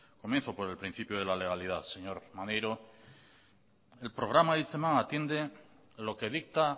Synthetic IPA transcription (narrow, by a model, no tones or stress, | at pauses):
komjenθopo̞ɾe̞lpɾĩn̟θipjoð̞e̞lale̞ɣaliðaðse̞ɲo̞ɾmanejɾo̞ | e̞lpɾo̞ɣ̞ɾamaðiθemãŋat̪je̞nd̪e̞ | lo̞keðik̚t̪a